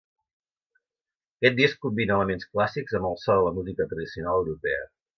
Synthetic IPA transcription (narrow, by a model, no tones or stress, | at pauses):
əkɛt̪̚d̪iskkumbinəːləmensklasikzəmbəlˠsɔðələmuzikət̪ɾəðisiunalˠəwɾupɛə̰